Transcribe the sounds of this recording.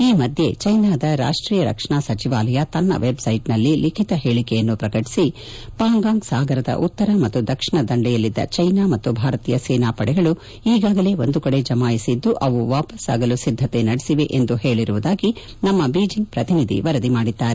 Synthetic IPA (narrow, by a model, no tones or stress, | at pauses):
iːmɐd̪ʱje̞t͡ʃɐjnaːd̪ɐɾa̰ːʂʈɾiːjɐɾɐ̰kʂɐɳaːsɐt͡ʃiʋaːlɐjɐt̪ɐnːɐ̰ʋe̞bsɐjʈnɐlːilikʰit̪ɐɦe̞ːɭikɛjɐnːupɾɐkɐʈi̥si | paːŋɡaːŋɡsaːɡɐɾɐd̪ɐ̰ʔut̪ːɐɾɐmɐt̪ːud̪ɐkʂiɳɐd̪ɐɳɖɛjɐlːid̪ːɐ̰t͡ʃɐjnaːmɐt̪ːubʱaːɾɐt̪iːjɐsɛːnaːpɐɽɛɡɐɭu | iːɡaːɡɐle̞o̞nd̪ukɐɽe̞d͡ʒɐmaːjisid̪ːuʔɐʋuʋaːpɐsa̰ːɡɐlusid̪ʱːɐt̪e̞nɐɽesiʋe̞ʔend̪uhe̞ːɭiɾuʋud̪aːɡi | nɐmːɐbiːd͡ʒiŋɡ̚pɾɐt̪inid̪ʱḭʋɐɾɐd̪imaːɽid̪ːaːɾe